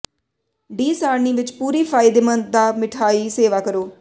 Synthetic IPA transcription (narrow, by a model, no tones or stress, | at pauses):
ɖiːsaːɾniːʋɪt͡ʃpuːɾiːfʰaːɪd̪emənt̪̚d̪aːmɪʈʰaːiːseːʋaːkəɾoː